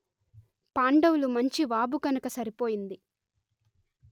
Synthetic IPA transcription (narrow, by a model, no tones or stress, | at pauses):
paːɳɖɐwulumɐɲt͡ʃiʋaːbukɐnɐkɐsɐɾipo̞ːjind̪i